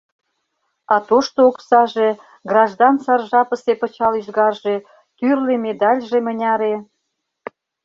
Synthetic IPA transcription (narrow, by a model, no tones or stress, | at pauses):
ɑt̪oʃt̪ooksɑʒe | ɡrɑʒd̪ɑnsɑrʒɑpəsepə̆t͡ɕɑlyʒɣɑrʒe̽ | t̪yrlemed̪ɑlʲʒemənʲɑɾe